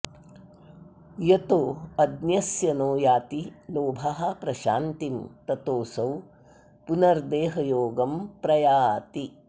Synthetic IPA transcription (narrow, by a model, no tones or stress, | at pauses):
jɐt̪oːɐd̪njɐsjɐnoːjaːt̪iloːbʱɐɦɐ̆pɾɐʃaːnt̪imt̪ɐt̪oːsɐw | punɐɾd̪eːɦɐjoːɡɐmpɾɐjaːt̪i